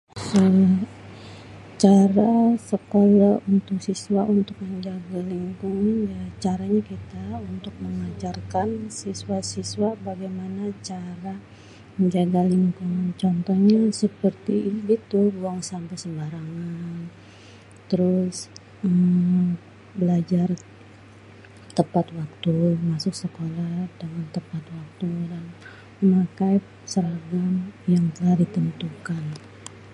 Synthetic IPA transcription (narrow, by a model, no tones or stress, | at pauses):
sə | t͡ʃaɾasəkolaunt̪ʊk̚siswaʔunt̪ʊk̚məɲd͡ʒaɡaliŋkuŋanjat͡ʃaɾaɲakit̪aunt̪ʊk̚məŋad͡ʒarkansiswasiswabaɡajmanat͡ʃaɾa | məɲd͡ʒaɡaliŋkʊŋnt͡ʃɔnt̪ɔhɲasəpərt̪iɡit̪ubuaŋsampajsəmbaɾaŋan | t̪əɾʊs | əm | bəlad͡ʒar | t̪əpat̪wak̚t̪umasʊksəkoladaŋant̪əpat̪̚wak̚t̪udan | əmakaj | səɾaɡamjaŋt̪əlahdit̪ənt̪ukan